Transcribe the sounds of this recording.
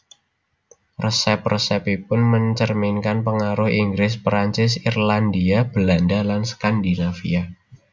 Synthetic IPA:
rəsɛprəsɛpipʊnməɲt͡ʃərminkanpəŋaɾʊhiŋɡɾɪs̬pɾaɲt͡ʃɪs̬irland̪iab̥əlandalansə̥kandinafḭa

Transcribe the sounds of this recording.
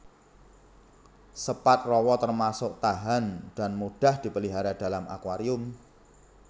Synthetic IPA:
səpat̪̚rɔwɔt̪ərmasʊk̚t̪aɦand̥a̤nmud̥a̤hd̪̥i̤pəliɦaɾad̪̥a̤lamʔa̰kwaɾiʊm

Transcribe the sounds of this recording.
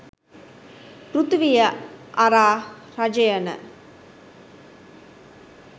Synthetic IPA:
ɾut̪ʋijəʔaɾaːɾɐd͡ʒəjənə̰

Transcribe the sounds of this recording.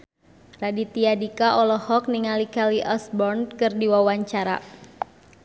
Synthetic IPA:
radit̪iadikaʔɔlɔhɔk̚niŋalikaliʔɔsbɔrnkɨrdiwawaɲt͡ʃaɾa̰

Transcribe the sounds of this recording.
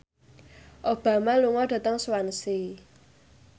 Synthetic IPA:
ʔob̥ä̤maluŋɔɖ̥ä̤t̪əŋswansi

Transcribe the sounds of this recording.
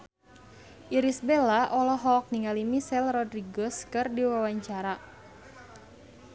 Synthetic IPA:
ʔiɾisbelaʔɔlɔɦɔk̚niŋalimisɛlrɔdɾiɡɔskɨrdiwawaɲt͡ʃaɾa

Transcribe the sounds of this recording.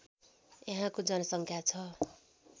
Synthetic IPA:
jeɦãkod͡zʌnʌsʌŋkʰjat͡sʰʌ

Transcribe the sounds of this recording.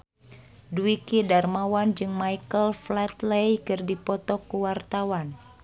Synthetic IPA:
duikidarmawand͡ʒɨŋmajkəlflɛt̪lejkɨrdipɔt̪ɔkuwart̪awan

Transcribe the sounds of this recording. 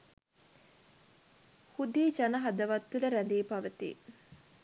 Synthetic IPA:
hud̪iːd͡ʒɐnɐɦɐd̪ɐʋɐt̪ːuləɾænd̪iːpaʋət̪ḭ

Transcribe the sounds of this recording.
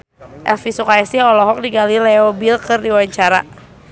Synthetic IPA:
ʔɛlfisukaɛsiɦɔlɔɦɔk̚diɡalilɛobilkɨrdiwaɲt͡ʃaɾa̰

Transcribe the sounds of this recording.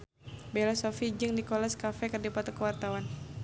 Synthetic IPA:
bɛlasɔfid͡ʒɨŋdikɔlɛskafɛkərdipat̪ɔkəwart̪awan

